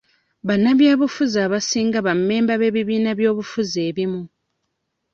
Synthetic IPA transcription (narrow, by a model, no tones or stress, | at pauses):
βanːaβjaːβufuzaːβasiːŋɡaβamːe̞ːmbaβe̞βiβiːnaβjo̞ːβufuzeːβimu